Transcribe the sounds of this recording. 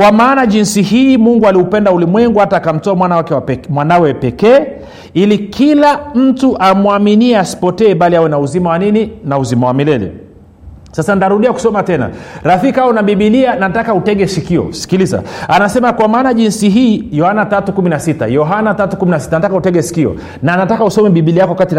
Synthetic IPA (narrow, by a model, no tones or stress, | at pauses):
kwamaːnaʄinsihiːmuŋɡualiupɛndaulimwɛŋɡuataːkam̩tɔamwanawakɛwmwanawɛpɛkɛː | ilikʰilam̩tuʔamuaminiɛasi̥pɔtɛːɓaliawɛnauzimawanininauzimawamilɛlɛ̰ | sasantaɾuɗiaku̥sɔmatɛna̰ɾaθikawunaɓiɓilianatakautɛɠɛsikiɔ̰si̥kiliza̰anasɛmakwamaːnaʄinsiɦiːjɔhanatatukuminasita̰jɔɦanatatukuminas̬i̥tanatakautɛɡɛsi̥kiɔ̰ | naːnatakausɔmɛɓiɓiliakɔwakatin